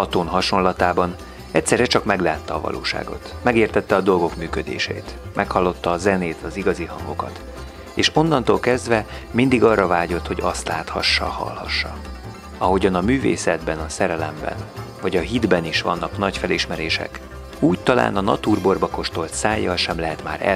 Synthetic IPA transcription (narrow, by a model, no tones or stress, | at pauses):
ɒt̪oːnɦɒʃonlɒt̪aːbɒn | ɛct̪sɛrɛt͡ʃɒkmɛɡlaːt̪ːɛːvɒ̰lʔo̰ːʃa̰ːɡo̞̰t̪mɛɡeːrt̪ɛt̪ːɛɒd̪o̞lɡo̞kmyːkød̪ḛːʃḛːt̪mʔɛkhɒlːo̞t̪ːɒːzɛneːt̪ɒziɡɒziɦɒŋɡo̞kɒ̰t̪ | eːʃo̞nːɒnt̪olkɛzd̪vɛmind̪iɡɒrːɒvaːɟo̞t̪ho̞ɟɒst̪laːt̪hɒʃːɒ̰hɒ̰lhɒʃːɒ | ɒɦo̞ɟɒnɒmyːvḛːsɛd̪bɛnɒsɛɾɛlɛ̰mbɛ̰nvɒɟɒɦid̪bɛniʃʋɒ̰nːɒknɒcfɛliʃmɛɾeːʃɛ̰k | uːct̪ɒla̰ːnɒnɒ̰t̪uːrbo̞rbɒko̞ʃt̪o̞lt̪saːjːɒlʃɛmlɛɦɛt̪ma̰ːɾɛ̰